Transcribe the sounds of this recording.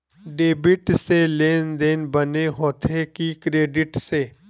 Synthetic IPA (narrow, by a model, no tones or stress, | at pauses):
ɖeːbɪʈseleːnd̪eːnbəneɦoːt̪ʰekikɾeːɖɪʈseː